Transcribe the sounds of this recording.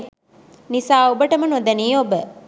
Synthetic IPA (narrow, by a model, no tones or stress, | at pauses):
nisaːobəʈəmənod̪ɐniːobə